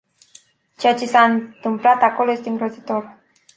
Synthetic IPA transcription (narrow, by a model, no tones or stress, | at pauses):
t͡ʃeat͡ʃesaɨnt̪ɨmplat̪akoloje̞st̪eɨŋɡɾozit̪o̞r